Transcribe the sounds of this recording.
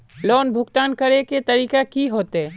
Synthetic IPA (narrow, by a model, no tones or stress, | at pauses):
lɔːnbʱʊkt̪aːnkɐɾeket̪ɐɾiːkakiɦoːt̪eː